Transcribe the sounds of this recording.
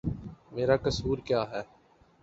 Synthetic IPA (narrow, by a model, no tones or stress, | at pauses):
meːɾakɐsuːɾkjaːɦɛː